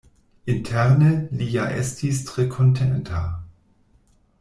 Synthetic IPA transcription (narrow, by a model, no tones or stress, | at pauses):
ʔɪntʰɛʁnəliːjaʔɛ̰stʰistʁ̥ekʰɔntʰɛntʰa